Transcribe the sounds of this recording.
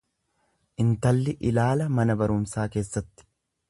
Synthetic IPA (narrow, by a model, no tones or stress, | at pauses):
ʔɪnt̪ɐlːɪʔɪlaːlɐmɐnɐbɐɾʊmsaːke̞ːsːɐt̪ːɪ̥